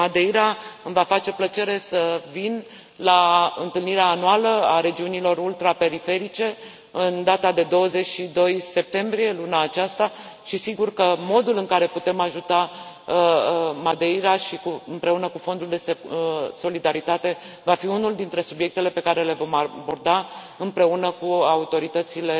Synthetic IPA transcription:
mad̪eiɾaɨmvafat͡ʃe̞plət͡ʃe̞ɾe̞səvin | laɨnt̪ɨlniɾeaːnualəaɾe̞d͡ʒiunilo̞ɾult̪ɾape̞ɾife̞ɾit͡ʃe̞ | ɨnd̪at̪ad̪e̞d̪o̞wəze̞t͡ʃʲʃid̪o̞jse̞p̚t̪e̞mbɾie̞lunaːt͡ʃast̪aʃisiɡurkəmo̞d̪ulɨŋkaɾe̞put̪e̞maʒut̪a | mad̪e̞jɾaʃikuɨmpɾe̞unəkufo̞nd̪uld̪e̞sso̞lid̪aɾit̪at̪e̞ | vafiunuld̪int̪ɾe̞subje̞k̚t̪e̞le̞pe̞kaɾe̞le̞vo̞mabo̞rd̪a | ɨmpɾe̞unəkuaut̪o̞ɾit̪ət̪sile̞

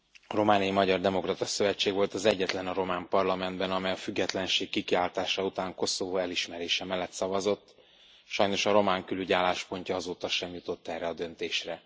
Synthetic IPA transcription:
ɒro̞maːnijimɒɟɒrd̪ɛmo̞krɒt̪ɒsøvɛt͡ʃːeːɡvo̞lt̪ɒzɛɟːɛt̪lɛnɒɾo̞maːmpɒrlɒmɛnd̪bɛnɒmɛjɒfyɡːɛt̪lɛnʃeːkːikiaːlt̪aːʃɒut̪aːŋko̞so̞voːɛliʃmɛɾeːʃɛmɛlːɛt̪sɒvɒzo̞t̪ː | ʃɒjno̞ʃɒɾo̞maːŋkylyɟaːlːaːʃpo̞ɲcɒɒzoːt̪ɒʃɛmjut̪o̞t̪ːɛrɛɒd̪ø̞nt̪eːʃrɛ

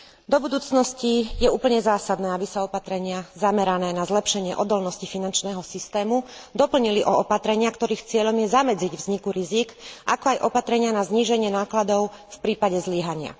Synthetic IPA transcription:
d̪ɔbud̪uːt͡snɔscijɛuːpl̩ɲɛzaːsad̪nɛːabisaɔpat̪ɾɛɲɪazamɛɾanɛːnazlɛpʃɛɲɪɛʔɔd̪ɔlnɔscifinant͡ʃnɛːɦɔsist̪ɛːmud̪ɔpl̩ɲiliʔɔɔpat̪ɾɛɲɪakt̪ɔɾiːxt͡sɪɛʎɔmjɛzamɛd͡ziɟvzɲikuɾizikʔakɔajʔɔpat̪ɾɛɲɪanazɲiːʒɛɲɪɛnaːklad̪ɔʊfpɾiːpaɟɛzlɪɛɦaɲɪa̰

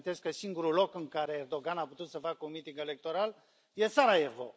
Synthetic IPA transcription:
t̪eskəsiŋɡuɾulo̞kɨŋkaɾe̞ːrd̪o̞ɡanaput̪ut̪səfakəunmit̪iŋɡe̞le̞k̚t̪o̞ɾal | je̞t̪saɾaevo̰

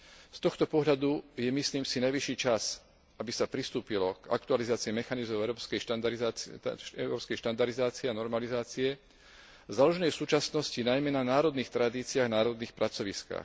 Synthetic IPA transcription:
st̪ɔxt̪ɔpɔɦʎlad̪ujɛmisliːmsinajʋiʃiːt͡ʃas | abisapɾist̪uːpilɔka̰k̚t̪ualizaːt͡siimɛxanizmɔʊɛɾɔpskɛjtad̪ɾza̰ɛʊɾɔːpskɛjʃt̪and̪aɾd̪izaːt͡siɛanɔɾmalizaːt͡siɛ | zalɔʒɛnɛjsuːt͡ʃasnɔscinajmɛnanaːɾɔd̪niːxt̪ɾad̪iːt͡siaːɣnaːɾɔd̪niːxpɾʔat͡sɔʋiska̰ːx

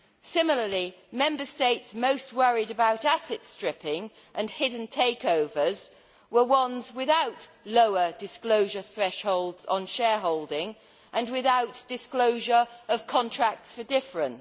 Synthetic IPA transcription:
sɪ̃ml̩ˠəli | mɛ̃mbəsteɪtsmoʊst̚wʌɹiɾəbaʊtasɨtstɹ̥ɪpɪ̃ŋ | ʔə̃nhɪdⁿn̩tʰeɪkoʊvəz | wəwʌ̃nzwɪðaʊtloʊədɪskloʊʒə˞θɹɛʃhoʊlˠdz̥n̩ʃɛːɦɔʊlˠdɪ̃ŋ | ʔə̃nwɪðaʊtd̥ɨskloʊʒə˞əv̥kʰɒ̃ntʰɹ̥æk̚tsfədɪfɹə̃n

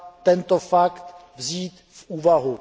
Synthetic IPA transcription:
t̪ɛnt̪ofakt̪vziːt̪ | fʔuːvaɦu

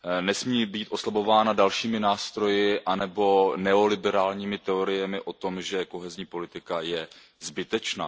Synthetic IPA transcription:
nɛsmiːbiːt̪ʔo̞slabo̞vaːnadalʃiːmɪnaːst̪ɾo̞jɪʔanɛbo̞nɛo̞lɪbɛɾaːlɲiːmɪt̪ɛo̞ɾɪjɛmɪʔo̞t̪o̞mʒɛko̞ɦɛzɲiːpo̞lɪt̪ɪkajɛ | zbɪt̪ɛt͡ʃna̰ː

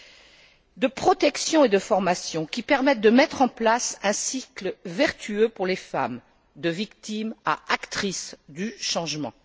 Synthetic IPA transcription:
d̪əpχɔt̪ɛksjɔ̃ed̪əfɔʁmasjɔ̃kʲipɛʁmɛt̪̚d̪əmɛt̪χɑ̃plasɛ̃sikləvɛʁt̪ʰyøpuʁlefa̰m | d̪əvikt̪ima̰akt̪χisd̪yʃɑ̃ʒmɑ̰̃

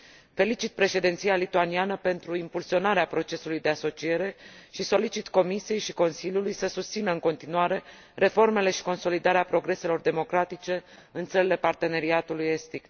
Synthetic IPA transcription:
fe̞lit͡ʃit̪̚pɾe̞ʃe̞d̪ent̪sijalit̪uanianəpe̞nt̪ɾuimpulsio̞naɾeapɾo̞t͡ʃe̞sulujd̪e̞aso̞t͡ʃie̞ɾe̞ʃiso̞lit͡ʃit̪ko̞misije̞jʃi̥ko̞nsilʲjulujsəsust̪sinəɨŋko̞nt̪inuaɾe̞ | re̞fo̞rme̞le̞ʃi̥ko̞nso̞lid̪aɾeapɾo̞ɡɾe̞se̞lo̞rd̪e̞mo̞kɾat̪it͡ʃe̞ | ɨnt̪səɾile̞part̪e̞ne̞ɾiat̪uluje̞st̪ik

